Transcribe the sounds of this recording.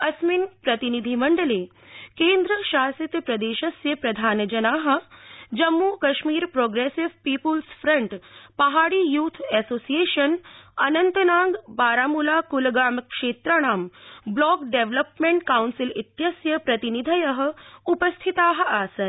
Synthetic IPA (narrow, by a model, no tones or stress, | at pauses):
ɐsminpɾɐt̪inid̪ʱimɐɳɖəleː | kẽːnd̪ɾəʃaːsit̪pɾɐd̪eːʃɐsjɐpɾɐd̪ʱaːnd͡ʒɐnaːɦə̆d͡ʒɐmːukɐʃmiːɾpɾoːɡɾeːsiʋpiːpulsfɾɐɳʈpɐɦaːɽiːjuːt̪ʰɛːsoːsijeːʃɐnɐnɐnt̪ɐnaːŋɡbaːɾaːmulaːkulɡaːməkʂeːt̪ɾəɽ̃aːmblɔːkɖeʋlɐpmeɳʈkawnsilit̪jɐsjɐpɾɐt̪inid̪ʱɐjɐɦə̆upɐst̪ʰit̪aːɦə̆aːsɐn